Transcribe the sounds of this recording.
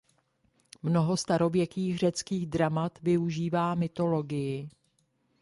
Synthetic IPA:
mno̞ɦo̞st̪aɾo̞vjɛkiːxr̝ɛt͡skiːɣdɾamat̪vɪuʒiːvaːmɪt̪o̞lo̞ɡɪjɪ

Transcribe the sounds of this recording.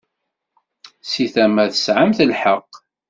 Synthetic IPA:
siθæmæðəsʕəmθəlħəqː

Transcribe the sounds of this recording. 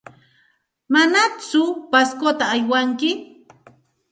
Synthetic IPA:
manat͡sʊpaskot̪aːjwaŋkɪ

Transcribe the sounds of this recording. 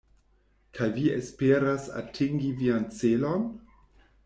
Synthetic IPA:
kʰajviespeɾasa̰tʰiŋɡiviant͡selon

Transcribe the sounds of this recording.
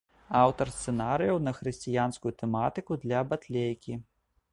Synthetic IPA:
awt̪ɐrst̪sɛnaɾɨjɐwnɐxɾɨsʲt͡sʲijanskujut̪ɛmat̪ɨkud̪lʲɐbat̪lʲejkʲi

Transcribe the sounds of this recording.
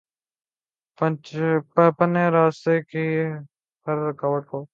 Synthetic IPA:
pəpəpəneːɾaːst̪eːkiː | həɾkaːʋəʈkoː

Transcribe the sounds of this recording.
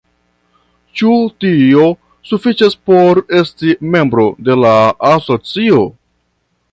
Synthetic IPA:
t͡ʃutio̞ | sufit͡ʃaspo̞ɾe̞stime̞mbɾo̞de̞laːso̞t͡sio̞

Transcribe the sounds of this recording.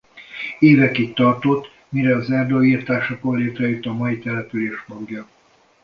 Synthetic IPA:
eːvɛkikt̪ɒrt̪ot̪ː | miɾɛɒzɛrd̪oːiːrt̪aːʃɒkolleːt̪rɛit̪ɒmɒjit̪ɛlɛpyleːʃmoɡjɒ

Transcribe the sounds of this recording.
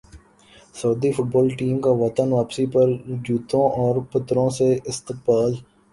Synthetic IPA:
sɐːd̪ifʊʈ̚bɔːlʈiːmkaʋɐt̪ənʋaːpsipɐɾd͡ʒuːt̪õʔɔːɾpɐt̪ɾõseɪst̪ɪq̚baːl

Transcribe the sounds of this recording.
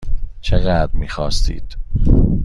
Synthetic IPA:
t͡ʃʰeɣæd̪ɾmiːxɒːst̪ḭːd̪̥

